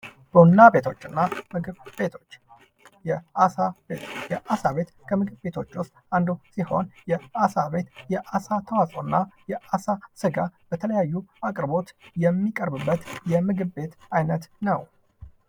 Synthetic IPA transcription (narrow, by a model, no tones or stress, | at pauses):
b̥ənːabe̞t̪ʰo̞t͡ʃːɨnːamɨɡɨbet̪ot͡ʃː | jɛasabet̪jɛʔasaβe̞t̪kʰəmɨɡɨbbe̞t̪ʰo̞t͡ʃːwʊst̪ʼand̪usiho̞njɛasaβe̞t̪jɛʔasat̪ʰəwasʼonːajɛasasɨɡab̥ət̪ʰələjajːuakʼɾbo̞t̪jɛmːikʼəɾbɨbːət̪jɛmɨɡɨβbe̞t̪ajnət̪nəw